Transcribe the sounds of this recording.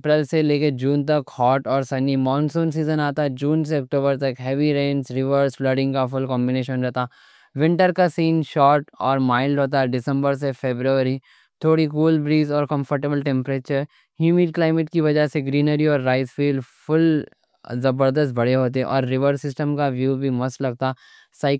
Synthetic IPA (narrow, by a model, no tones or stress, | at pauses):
pɾɛlseleːked͡ʒuːnt̪ɐkhɔːʈɔːɾsɐnimãːnsõːns̬iːzənaːt̪aɛd͡ʒuːns̬eɐk̚ʈoːbəɾt̪ɐkɦɛːʋiɾẽːnsɾɪʋəɾsflɐɖɪ̃ŋɡkafʊlkɔ̃ːmbɪneːʃənɾɛɦt̪aː | ʋɪ̃ɳʈəɾkasiːnʃɔːʈɔːɾmaːɪlɖɦoːt̪̬aɛɖɪsə̃mbəɾs̬efeːbɾuəɾi | t̪ʰoːɽikuːlbɾiːzɔːɾkɐ̃mfəɾʈebəlʈɛ̃mpɾeːt͡ʃəɾ | ɦjuːmiːɖ̚klaːɪmɪʈ̚kiʋɐd͡ʒəseɡɾiːnəɾiɔːɾːaːɪzfiːlɖfʊl | zɐbəɾd̪əs̬t̪̚bɐɽeɦoːt̪̬eɛʔɔːɾːɪʋəɾsɪsʈəmkaʋjuːbʱimɐslɐɡ̚t̪a | saɪ